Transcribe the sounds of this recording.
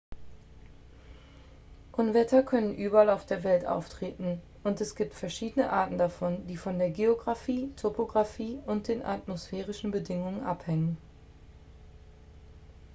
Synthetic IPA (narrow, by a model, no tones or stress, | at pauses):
ʔʊnvɛtʰɐkʰœnənʔyːbɐalaʊfd̥eːɐvɛltʔa̰ʊftʁ̥eːtn̩ | ʔʊntɛsɡ̥iːp̚tfɛɐʃiːdənəʔaɐtn̩dafɔndiːfɔndeːɐɡeoɡʁafiːtʰopoɡʁafiːʊnt̚d̥eːnʔa̰tmosfɛːʁ̞ɪʃn̩bədɪŋʊŋənʔa̰phɛŋən